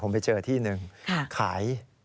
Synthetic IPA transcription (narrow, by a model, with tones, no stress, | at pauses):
pʰo˩˦mpa˧jt͡ɕɤː˧t̪ʰiː˥˩nɯ˨˩ŋkʰa˥˩kʰaː˩˦j